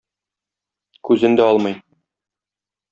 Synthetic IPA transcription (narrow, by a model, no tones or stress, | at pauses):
kʉzɘ̆nd̪æɒlˠmɤj